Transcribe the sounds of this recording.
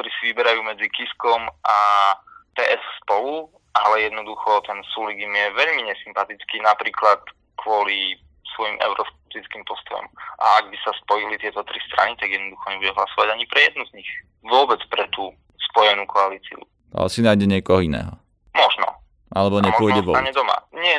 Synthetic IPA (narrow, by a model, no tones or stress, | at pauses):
t̪ɔɾiːsiʋibɛɾajuːmɛd͡zikiskɔmʔa | p̪ɛːʔɛsspɔlu | ʔalɛjɛd̪nɔd̪uxɔt̪ɛnsuliɡimjɛʋɛʎmiɲɛsimpat̪it͡skinapɾiːklat̪ | kʰʋʊɔli | sʋɔjimʔɛ̰ʊɾɔskɛp̚t̪it͡skimpɔst̪ɔjɔ̰mʔa̰aɡ̚bisaspɔjilit̪ɪɛt̪ɔt̪ɾist̪ɾʔa̰nit̪aɡjɛd̪nɔd̪uxɔɲɛbuɟɛɦlasɔʋaɟaɲipɾɛjɛd̪̚nuzɲix | ʋʊɔbɛt͡spɾɛt̪uː | spɔjɛnuːkɔalit͡sḭṵ | a̰lɛsinajɟɛɲɪɛkɔɦɔinɛ̰ːɦɔ | mɔʒnɔ̰ | ʔalɛbɔɲɛʊɔjɟɛʋɔaɲɛd̪ɔma̰ɲɪɛ